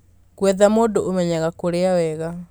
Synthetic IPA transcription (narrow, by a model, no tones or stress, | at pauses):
kwɛðamoːdoʔomɛɲaɣakoɾeawɛɣa